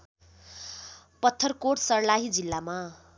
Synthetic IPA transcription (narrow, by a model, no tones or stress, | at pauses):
pʌt̪ʰːʌrkoʈsʌrlaɦid͡zilːama